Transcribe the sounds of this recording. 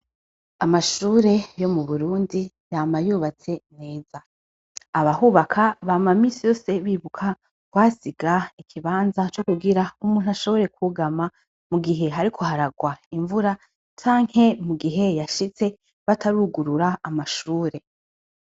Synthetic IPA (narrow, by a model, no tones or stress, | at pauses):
amaʃuːɾe̞jo̞muβuɾuːndi | jaːmajuːβat͡se̞ne̞ːzaː | βahuːβakʰaβamamiːsijo̞ːseβiːβukʰa | kwaːsiɡaikʰiβaːnzat͡ʃo̞kuɡiɾaumuːn̥uaʃo̞βo̞ɾe̞kʰuɡama | muɡiɦe̞ɦaɾikʰo̞haɾaɡwaiɱvuɾa | t͡ʃaːŋ̥he̞muɡiɦe̞jaʃit͡se̞ | βatʰaɾuːɡuɾuɾaːmaʃuːɾe̞